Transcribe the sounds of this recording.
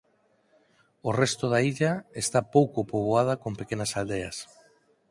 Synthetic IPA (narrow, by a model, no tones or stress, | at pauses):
orest̪oðaiʎaest̪apowkopoβ̞oað̞akompekenasald̪eas